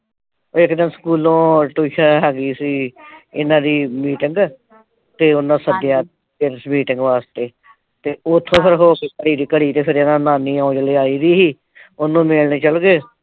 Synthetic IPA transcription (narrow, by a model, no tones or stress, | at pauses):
oːekdãːsə̥kuːlõːʈuːʃãɦɛːɡiːsiːɪnãːd̪iːmiːʈɪŋɡ | t̪eːʊnːãːsəd̪jaː | pɪɾsmiːʈɪŋɡʋaːst̪eː | t̪eːʊt̪ʰːõːpʰɪɾɦoːkeːkəɽiːd̪iːkəɽiːt̪eːpʰɪɾɪnãːnãːnĩːãõːd͡ʒleːaːiːɾiːɦiː | ʊnːũːmeːlneːt͡ʃəlɡeː